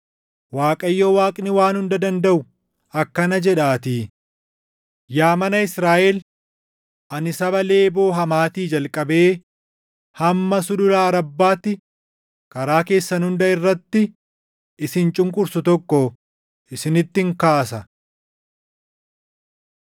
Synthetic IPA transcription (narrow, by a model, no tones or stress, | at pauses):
waːkʼɐjːoːwaːkʼɪnɪwaːnhʊnd̪ɐd̪ɐnd̪ɐʔʊ | ɐkːɐnɐd͡ʒɛᶑaːt̪iː | jaːmɐnɐɪsɾaːʔɛl | ʔɐnɪsɐbɐle̞ːbo̞ːɦɐmaːt̪iːd͡ʒɐlkʼɐbe̞ː | hɐmːɐsʊd̪ʊlaːɾɐbːaːt̪ːɪ | kɐɾaːke̞ːsːɐnʊnd̪ɐɪrːɐt̪ːɪ | ɪsɪnt͡ʃʼʊŋkʼʊɾsʊt̪ɔkːɔ | ɪsɪnɪt̪ːɪŋkaːsɐ